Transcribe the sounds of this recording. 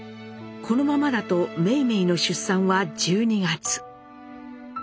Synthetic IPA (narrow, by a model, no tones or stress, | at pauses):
kʰo̞no̞mamad̪at̪o̞me̞ime̞ino̞ɕɨsːãɰ̃βad͡ʑɨːɲ̟iɡat͡sɨ̥